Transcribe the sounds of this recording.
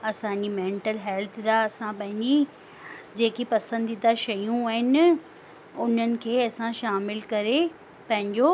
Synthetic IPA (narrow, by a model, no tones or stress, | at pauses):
ɐsãɲd͡ʑimẽːɳʈəlɦɛlt̪ʰd̪aɐsãpɐ̃ɦɪ̃ɲd͡ʑi | d͡ʑeːkipɐsə̃nd̪id̪aʃɐjũaːɦɪnɪ̆ | ʊn̤ənɪ̆kʰeːɐsãʃaːmɪlkɐɾe | pɐ̃ɦɪ̃ɲd͡ʑo